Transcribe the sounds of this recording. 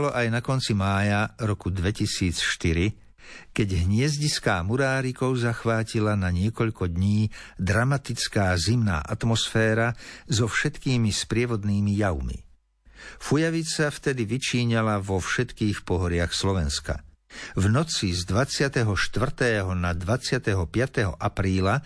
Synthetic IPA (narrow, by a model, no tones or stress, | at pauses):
lɔʔajnakɔnt͡simaːjaɾɔkud̪ʋɛcisiːt͡sʃt̪iɾi | kɛɟɦɲɪɛzɟiskaːmuɾaːɾikɔʊzaxʋaːcilanaɲɪɛkɔʎkɔd̪ɲiːd̪ɾamat̪it͡skaːzimna̰ːʔat̪mɔsfɛːɾazɔfʃɛt̪kiːmispɾɪɛʋɔd̪niːmijaʊmḭ | fujaʋit͡saft̪ɛd̪iʋit͡ʃiːɲalavɔfʃɛt̪kiːxpɔɦɔɾɪaxslɔʋɛnska̰ | vnɔt͡sizd̪ʋat͡sɪat̪ɛɦɔʃt̪ʋr̩t̪ɛːɦɔnad̪ʋat͡sɪat̪ɛɦɔpɪat̪ɛɦɔ̰ʔapɾiːla